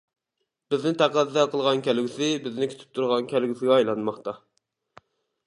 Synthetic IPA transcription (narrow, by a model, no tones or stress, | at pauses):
b̥ɪznɪt̪ʰæqæd̪d̪ɛqʰəlˠʁɑnkʲʰælɡʲisɪbɪznɪkʲʰy̥t̪ʰɪ̥p̚t̪ʰuɾʁɑnkʲʰælɡʲisɪɡʲɛɑjlˠɑnmɑχt̪ɑ